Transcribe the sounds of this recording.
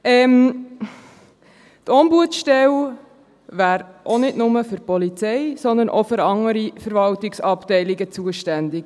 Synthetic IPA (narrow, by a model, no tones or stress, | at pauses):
ʔɛːm | t̪ʰɔmbuətʃtɛl | væːɾʔonɪdnʊməfʏɾpɔlit͡sɛɪsɔnd̪ənʔɔfʏɾɑŋəɾifəɾvɑltɪksɑptɛɪliɡət͡suəʃtændɪk